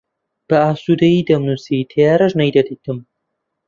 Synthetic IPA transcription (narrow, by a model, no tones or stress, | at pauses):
b̥ɐaːsuːd̪ɐjid̪ɐmnuːsit̪ʰɐjaːɾɐʒnɐjd̪ɐd̪iːt̪ɨm